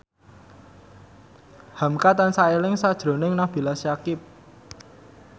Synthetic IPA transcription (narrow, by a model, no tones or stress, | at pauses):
hamkat̪ansaelɪŋsad̥ʒ̥ɾo̤nɪŋnahb̥i̤lasjakɪp̚